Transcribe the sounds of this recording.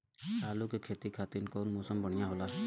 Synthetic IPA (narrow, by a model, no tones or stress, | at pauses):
t̪aːlukekʰeːt̪ikʰaːt̪inkɔːnmɔːsəmbəɽ̤̃ijãɦolaɦɛ